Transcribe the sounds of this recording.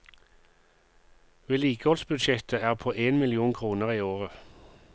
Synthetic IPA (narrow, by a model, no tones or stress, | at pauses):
ʋeːliːkəhɔlsbʉd̪ʃɛt̪ʰəæːʁpʰoːʔeːnmɪlɪuːnkʰʁuːnəʁiːoːʁə